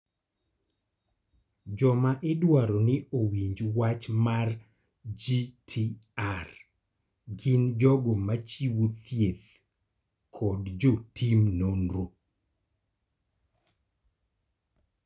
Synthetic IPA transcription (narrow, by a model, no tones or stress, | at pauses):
d͡ʒɔmaʔɪdwaɾonɪowiɲd͡ʒwat͡ʃmar | d͡ʒitʰiar | ɡɪnd͡ʒɔɡomat͡ʃiwut̪jet̪ | kʰɔdd͡ʒotʰimnonɾo